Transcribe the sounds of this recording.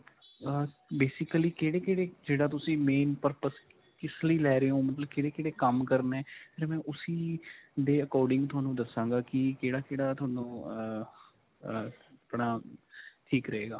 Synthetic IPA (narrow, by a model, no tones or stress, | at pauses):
ə | beːsɪkliːkeːɽeːkeːɽeːd͡ʒeːɽaːt̪ʊsĩːmeːnpəɾpəs | kɪsliːlɛːɾeːõːmət̪ləb̚kɪːɽeːkeːɽeːkəmkəɾnɛːpʰɪːɾmɛ̃ːʔʊsiːd̪eːəkɔːɾɖɪ̃ŋɡt̪ʰʊaːnũːd̪əsãːŋɡaːkɪkeːɽaːkeːɽaːt̪ʰʊaːnõː | əpɳaːʈʰiːkɾəɦeːɡaː